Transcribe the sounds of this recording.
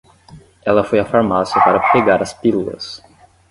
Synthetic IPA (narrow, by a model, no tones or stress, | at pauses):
ɛlɐfojɐfaɾmasiɐpaɾɐpeɡaɾɐspilulɐ̰s